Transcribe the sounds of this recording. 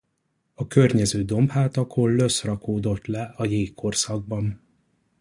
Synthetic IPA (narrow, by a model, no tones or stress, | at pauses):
ɒkø̞rɲɛzøːd̪o̞mphaːt̪ɒkʰolːø̞srɒkoːd̪o̞t̪lɛɒjeːkʰːo̞rsɒɡ̚bɒn